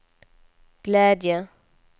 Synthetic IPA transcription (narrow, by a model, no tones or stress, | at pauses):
ɡ̥lɛːd̪jə